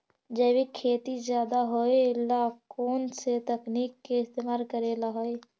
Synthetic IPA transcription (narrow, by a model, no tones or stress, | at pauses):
d͡ʒəbikʰeːt̪izjaːd̪aɦoelaːkoːnset̪əkniːkːeɪst̪eːmaːɾkəɾelaɦoːe